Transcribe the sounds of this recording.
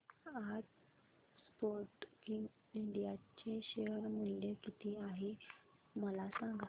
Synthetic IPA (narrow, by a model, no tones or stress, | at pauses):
ad͡z | spoɾʈkiŋɡ | iɳɖijat͡ɕeɕeəɾmulːekit̪ʰiaɦe | məlasãŋɡa